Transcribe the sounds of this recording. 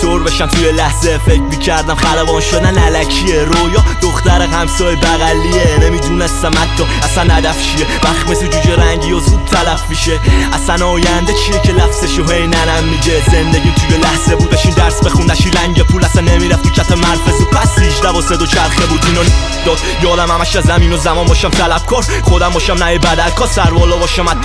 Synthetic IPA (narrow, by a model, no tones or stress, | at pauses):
t̪ʰoɾbe̞ʃæmt̪ʰujelæhzefecʰmicʰæɾd̪æmχælævɒːnʃo̞d̪ænælækʰieɾojɒd̪oχt̪æɾeɦæmsɒːjebæɣælːienemid̪unest̪æmæt̪ʰːɒ | æsænhæd̪æft͡ʃʰijevæχt̪mesit̪ʰud͡ʒeɾæɲɟijozuːd̪̚t̪ʰælæfmiʃeæsænɒːjænd̪et͡ʃʰijecʰelæfz̥eʃoɦe̞jnænæmːiɟezend̪eɟiːt̪ʰujelæhzebud̪æʃind̪æɾsbeχund̪æʃiɾæɲɟepʰuːlæsænːemiːɾæft̪icʰæfemæɾfesipʰæsiːd͡ʒd̪æbɔːsed̪ot͡ʃʰæɾχebuːd̪iːnɒni | d̪ɒːd̪̥jɒːd̪æmhæmæʃæzæmiːnozæmɒːnbɒʃæmt̪ʰælæb̥̚kʰɒːɾ | χod̪æmbɒːʃæmnæjebæd̪ælkʰɒːsæɾvɒːlɒːbɒːʃæmæ